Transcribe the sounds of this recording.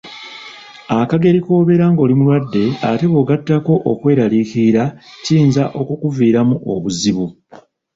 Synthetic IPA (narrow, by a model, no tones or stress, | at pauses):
akaɡe̞ɾiko̞ːβe̞ɾaːŋɡo̞ːlimulwadːe̞ate̞βo̞ːɡatːako̞ʔokwe̞ːɾalikiɾaciːnzaʔo̞kukuviːɾamuʔo̞βuziβu